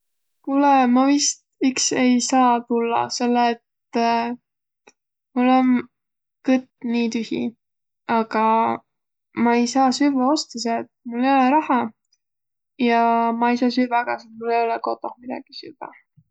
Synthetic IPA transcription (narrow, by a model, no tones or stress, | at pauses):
kulɛmɑvist̪ikse̞jsɑːt̪ulːɑ̰se̞lːeːt̪ | mulːon | kɤt̪niːt̪yhḭ | ɑɡ̥ɑ | mɑejsɑːsyvɑo̞st̪ɑs̬eet̪̚mulːe̞jo̞leɾɑhɑ | jɑmɑejsɑːsyvɑɡ̥ɑset̪̚mulːe̞jo̞lɛko̞t̪ːˑo̞mid̪ɑ̰ɡ̥isyvɑ̰